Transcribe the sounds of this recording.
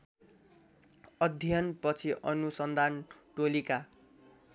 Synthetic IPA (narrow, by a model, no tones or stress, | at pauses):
ʌd̪ʱjʌnpʌt͡sʰiʔʌnusʌnd̪ʱanʈolika